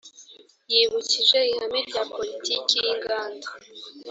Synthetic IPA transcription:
jiβuciʒe̞ihamiɾɟaːpo̞litiːkijiŋɡaːnda

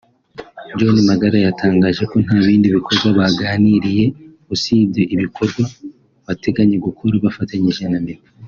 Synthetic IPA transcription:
d͡ʒo̞nimaɡaɾajataːŋɡaːʒe̞ko̞n̥haːβiːndiβikʰo̞ɾɡwaβaɡaːniɾije̞ | usiːdeʔiβikʰo̞ɾɡwa | βate̞ɡaɲe̞ɡukʰoɾaβafataɲiʒenameka

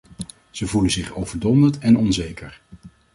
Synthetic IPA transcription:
z̥əvuləzɪχowvəɹdɔndətɛnɔnzejkəɹ

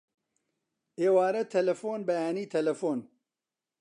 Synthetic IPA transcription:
eːwaːɾɐt̪ʰɐlɐfoːnbɐjaːniːt̪ʰɐlɐfoːn

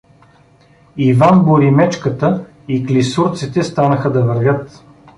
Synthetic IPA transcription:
ivanboɾimɛt͡ʃkət̪ə | iklisuɾt̪sit̪ɛst̪anəxəd̪ɐvəɾvʲɤt̪

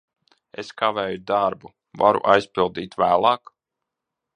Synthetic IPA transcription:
eskavɛːjud̪aɾbu | vaɾṵʔajspilˠd̪iːt̪væːlˠɑːk

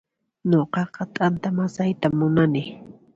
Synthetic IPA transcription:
ɲoqɑqɑt̪ʼant̪amasajt̪amːʊnanɪ

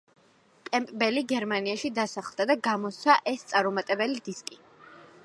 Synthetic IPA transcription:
kʼɛmpʼbɛliɡɛɾmaniaʃid̪asaχlˠd̪ad̪aɡamɔsʰaʔɛst̪sʼaɾɔmat̪ʼɛbɛlid̪iskʼi

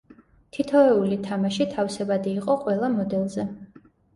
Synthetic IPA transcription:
t̪ʰit̪ʰɔɛulit̪ʰamaʃit̪ʰafsɛbad̪iːqʼɔqʼwɛlˠamɔd̪ɛlˠzɛ

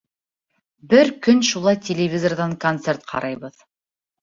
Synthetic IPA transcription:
bɘɾkɵnʃulˠɑjt̪ʲɪlʲɪvʲizorðɑŋkont̪sert̪̚qʰɑ̰ɾʔɑjβɤð

